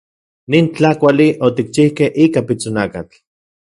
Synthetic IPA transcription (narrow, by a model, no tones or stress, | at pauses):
nint͡ɬakʷaliot̪ik̚t͡ʃihkehʔikapit͡sonakat͡ɬ